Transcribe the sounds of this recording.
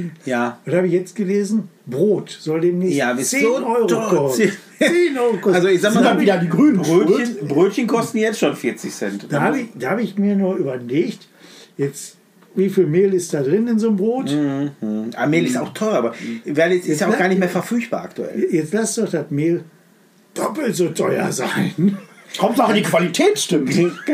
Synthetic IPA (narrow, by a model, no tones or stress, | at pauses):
jaːʔʊnthaːbəɪçjɛt͡stɡ̥əleːzn̩ | bʁoːtz̥ɔldeːmnɪjaːnʔɔʏʁokɔ | enɔkɔalzozaːmavidadiːɡʁyːnʁøːəbʁøːtçənkʰɔstn̩jɛt͡stʃoːnfɪɐt͡sɪçsɛntd̥ahaːbəɪçd̥aːhaːbəɪçmiːɐnuːɐʔyːbɐleːçt | jɛt͡st | viːfiːlmeːlɪstd̥aːdʁɪnɪnzoːnmbʁoːt | ʔa̰meːlɪsa̰ʊxtʰɔʏʁɐaːbɐvaɐdjɛɪtjaʊɡaɐnɪçtmeːɐfɛɐfyɐçb̥a̰ːa̰ktuʔɛ̰ljɛt͡stlasd̥ɔχd̥atmeːl | d̥ɔpl̩tz̥otʰɔʏɐ̰zaɪnkʰɔmtɔχɪndikv̥alitʰɛːt͡sʃtʏm